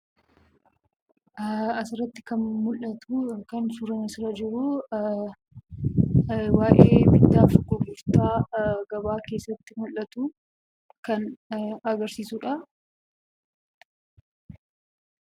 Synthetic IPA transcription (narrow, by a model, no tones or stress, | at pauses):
ɐsɪɾɐt̪ːɪ̥kɐnmʊlʔɐt̪ukɐnsʊɾɐnɐsɪɾɐd͡ʒɪɾu | waːʔeeːmɪd̪ːaːfɡɔɡʊɾt̪aːɡɐbaːke̞ːsːɐt̪ːɪmʊlʔɐt̪uː | kɐnɐɡɐɾsiːsuᶑɐ